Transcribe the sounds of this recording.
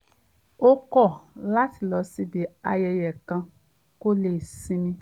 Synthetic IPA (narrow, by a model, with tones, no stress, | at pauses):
o˦kɔ˦˨la˦ti˨lɔ˨˦si˧bi˨˦a˧jɛ˧jɛ˨kã˧ | ko˦le˦˨sĩ˧nĩ˧˦